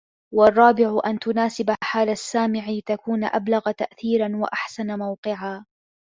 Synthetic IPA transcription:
wɑrˤːɑːbɪʕʊʔant̪ʊnaːsɪbaħaːlasːaːmɪʕit̪akuːnʔa̰blaɣat̪a̰ʔθiːɾanwa̰ʔaħsanamawqɨʕaː

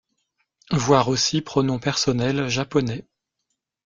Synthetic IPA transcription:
vwaʁosipχɔnɔ̃pɛʁsɔnɛlʒapɔnɛ

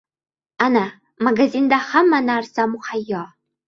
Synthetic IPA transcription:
ana | maɡaziːnd̪aχɐmːɐnaːrsamuχajːɑː

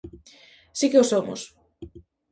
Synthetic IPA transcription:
sikeosomo̰s

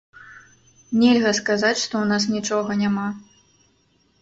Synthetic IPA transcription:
nʲelʲɣɐskazat͡sʲʂt̪ɔwnas̬nʲit͡ʂɔɣɐnʲama

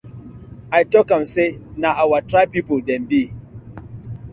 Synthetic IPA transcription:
ajtɔkãmsenaʔawatɾapipoldɛ̃nbi

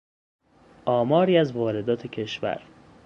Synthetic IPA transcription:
ʔɒːmɒːɾiːæzvɒːɾe̞d̪ɒːt̪ʰe̞cʰe̞ʃvæ̰ɾ

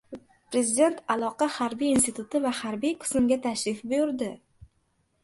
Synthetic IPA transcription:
pɾe̞zɪd̪e̞nt̪ʰalˠɒqɑhaɾbijinst̪it̪ʰʊt̪ʰɪvahaɾbijqʰɨ̥smɡʲat̪ʰaʃɾɪfbʊjʊɾd̪ɪ

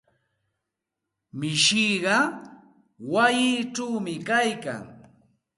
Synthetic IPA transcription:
mɪʃiɢɑ | wajɪːʈ͡ʂawmɪkajka̰ŋ

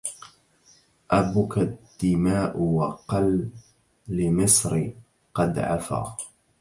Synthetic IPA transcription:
ʔabʊkad̪̥ːɪmaːʔʊwɑqɑlː | ɪmɪsˤɾ | qɑd̪ʕa̰fa̰ː

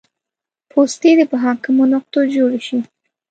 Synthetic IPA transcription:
pʰost̪ed̪epəɦɑkɪmonʊqt̪od͡ʒoɽeʃi

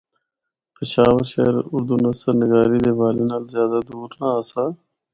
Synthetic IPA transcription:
pɪʃaːʋəɾʃḛːɾʊɾd̪uːnəsəɾnɪɡaːɾiːd̪eːʋaːleːnaːlzjaːd̪aːd̪uːɾnaːəsaː

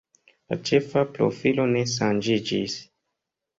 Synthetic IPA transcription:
la̰t͡ʃe̞fapɾo̞̰filo̞ne̞ʃ̬and͡ʒid͡ʒis

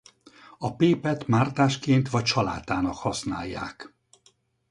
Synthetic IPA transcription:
ɒpeːpɛt̪maːrt̪aːʃkeːnt̪ʋɒc̚t͡ʃɒla̰ːt̪aːnɒkhɒsna̰ːjːa̰ːk

